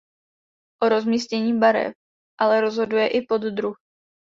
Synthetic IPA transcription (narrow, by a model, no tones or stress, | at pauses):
ʔo̞ɾo̞zmiːscɛɲiːbaɾɛ̰p̚ | ʔalɛɾo̞zɦo̞dujɛʔɪpo̞d̪d̪ɾuh